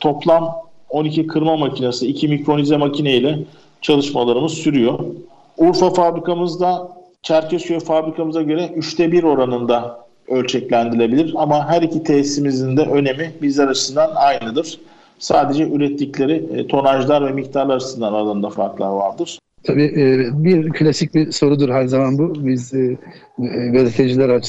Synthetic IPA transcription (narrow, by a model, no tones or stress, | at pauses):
t̪ʰo̞plˠam | o̞nicikʰɯɾmamacʰinasɯicʰimicɾo̞nizɛmacʰineilʲɛ | t͡ʃʰalˠɯʃmalˠaɾɯmɯzsyɾyjo̞ | uɾfafabɾikʰamɯzd̪a | t͡ʃʰæɾcʰɛsøfabɾikʰamɯzaɟø̞ɾɛʔyʃt̪ʰɛbiɾo̞ɾanɯnd̪a | ø̞lʲt͡ʃʰɛclʲænd̪ilʲe̞bilʲiɾamaɦæɾicʰit̪ʰɛsimizind̪ɛʔø̞ne̞mibizlʲɛɾat͡ʃʰɯsɯnd̪anajnɯd̪ɯɾ̥ | saːd̪e̞d͡ʒɛʔyɾɛt̪lʲiclʲe̞ɾit̪ʰo̞naʒlˠaɾvɛmict̪ʰaɾlˠaɾt͡ʃɯsɯnd̪analˠɯnd̪afa̰ɾklˠa̰va̰ɾd̪ɯɾ̥ | t̪ʰabiːbiɾpʰlʲasic̚ʲbiso̞ɾud̪uɾhæɾzamanbubiz | vezet̪ʰed͡ʒilʲæɾat͡ʃʰ